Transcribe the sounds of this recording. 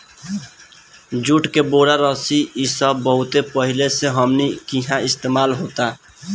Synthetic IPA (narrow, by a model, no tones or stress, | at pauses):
d͡ʒuʈkeboːɽaɾəsiisəbəɦʊt̪epəɦɪleseɦəmnikiɦãɪst̪eːmaːlɦoːt̪a